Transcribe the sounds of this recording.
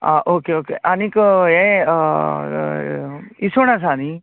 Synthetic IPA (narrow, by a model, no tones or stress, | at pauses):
a̰ʔoːkeoːkeːʔanĩkẽ | isonas̬aːnĩ